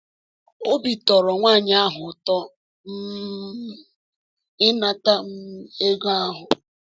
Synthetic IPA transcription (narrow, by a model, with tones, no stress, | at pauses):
o˦bi˨tɔ˨ɾɔ˨ŋʷa˦˨ɲ˨a˦ɦʊ˨tɔ˦ | m̩˦ | ɪ˦na˦ta˦m̩˦e˦ɡɔ˦a˦ɦʊ˨